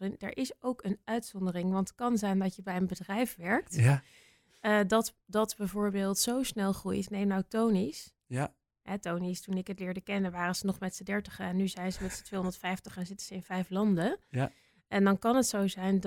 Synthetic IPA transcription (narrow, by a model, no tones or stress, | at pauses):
ŋdə̰ɹʔɪsowkənœɥtsɔndərɪŋʋɑntə̥t̚kɑnzɛjndɑtjəbɛjənbədrɛjfʋɛɹk̚t | dɑtdɑtbɛjvʊːɹbeːlˠtsowsnɛlˠχrujtnejmnawtownis | ɦɛtownistunɪkɦətlɪːɹdəkɛnənʋaːrəz̥ənɔχmɛtsədɛɹtə̥χəɛnːyzɛjnzəmɛtsə̥tʋejɦɔ̃ndəɹtfɛjftəχɛnzɪtənz̥əɪnvɛjflɑndə | ʔɛndɑnkɑnətsowzɛjnd